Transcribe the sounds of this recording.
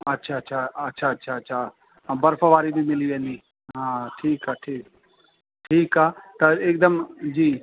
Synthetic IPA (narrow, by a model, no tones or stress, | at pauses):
ɐtːʃʰaːɐtːʃʰaɐtːʃʰaɐtːʃʰaɐtːʃʰa | bɐɾfʰəʋaːɾibʱimɪliʋẽːnd̪i | ɦɦãːʈʰiːkaʈʰiːk | ʈʰiːkaːt̪ɐeːk̚d̪əmd͡ʒiː